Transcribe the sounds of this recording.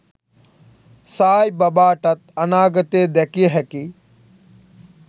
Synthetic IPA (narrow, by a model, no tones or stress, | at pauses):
saːjbɐbaːʈɐt̪̚ɐnaːɡət̪eːd̪ekiɦeki